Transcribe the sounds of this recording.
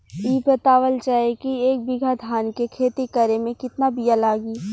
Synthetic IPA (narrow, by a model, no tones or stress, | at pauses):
iːpɾət̪aːʋəlt͡ʃaːekieːk̚bɪɡʱad̪ʱaːnkekʰeːt̪ikəɾemẽkɪt̪nabijalaːɡiː